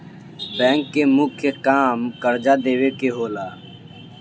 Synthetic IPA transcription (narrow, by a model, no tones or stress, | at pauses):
bɛ̃ːŋkːeːmʊkʰjəkaːmkəɾd͡ʒaːd̪eːʋeːkeɦoːlaː